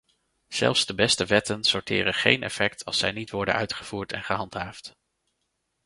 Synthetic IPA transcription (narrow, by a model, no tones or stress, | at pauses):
z̥ɛ̰lˠfsdəbɛstəʋɛtənsɔɹtɪ̰ːrənχḛjnʔɛ̰fɛktʰɑ̰lˠsɛjnitʋɔɹdə̰nœ̰ɥtχəv̥uːɹtʰɛ̰nχəɦɑntɦaːft